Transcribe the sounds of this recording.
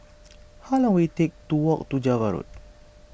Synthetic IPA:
halãŋwitek̚tuwɔk̚t̪ud͡ʒavaɾṵt̚

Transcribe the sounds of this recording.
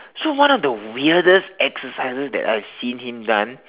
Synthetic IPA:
sowãnɔfdəwiədəsɛksəsaɪsəsdɛ̰ta̰ɪv̥sĩnhĩmdãn

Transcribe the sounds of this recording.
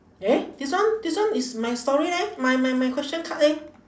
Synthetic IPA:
ed̥iswãndiswãnismajstɔɹidɛmajmajmajkʰwɛst͡ʃə̃nkʰaʔɛ̃

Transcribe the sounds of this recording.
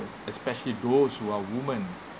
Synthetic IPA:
sɛspɛʃəlidoshuawumə̃n

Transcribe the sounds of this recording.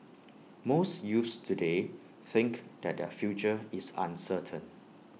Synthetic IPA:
mosjufstʰude | θɪ̃ŋkdɛt̚dɛ̰fjut͡ʃəɪsã̰nsətʰə̃n

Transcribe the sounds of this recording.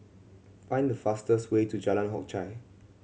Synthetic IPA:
fãj̃ndəfastəswetud͡ʒalãnɦɔ̰k̚t͡ʃaɪ

